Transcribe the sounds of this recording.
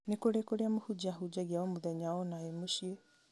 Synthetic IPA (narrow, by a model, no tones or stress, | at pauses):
nekoɾekoɾeamohud͡ʑaɦud͡ʒaɣiaɔmoðɛɲaɔnaemoɕie